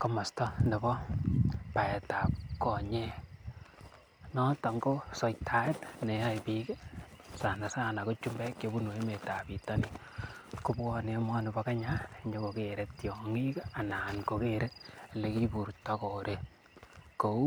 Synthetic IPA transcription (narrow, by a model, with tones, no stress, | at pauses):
kɔ˨ma˨stɔ˦ne˨bɔ˦ | pa˨ɛ˨ta˨p̚kɔ˨ɲe˦ | nɔ˦ta˨ŋɡo˦sɔ˨jtʰa˨˦e˦tne˨˦a˦jpi˦ke˦sa˨na˨sa˦na˨ko˦t͡ʃu˦mbɛ˦kjo˨˦bu˦nwo˨e˦me˨ta˨pi˨tɔ˦ni˨ | ku˦pkɔ˦ne˨mɔ˦nɪ˨bɔ˦ka˦ɲa˦ɲd͡ʒo˦ko˨keɾe˨tjɔŋi˦ka˨na˨nko˨keɾʔe˦le˨ki˦pu˨ɾtɔ˦ko˨ɾʔe˦ | ko˨u˦